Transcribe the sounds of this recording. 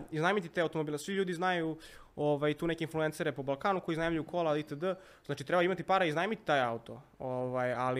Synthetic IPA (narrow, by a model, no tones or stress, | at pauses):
iznajmit̪it̪eaut̪omobiːlesʋiʎuːd̪iznajuoʋajt̪uːnekʲeinfluense̞ɾepobalˠkaːnuko̞jiznajmʎukʰolˠait̪əd̪ə | zaːt͡ʃit̪ɾebaimat̪ipaːɾaiznajmit̪i̥t̪aːjaut̪o̞̰oʋajali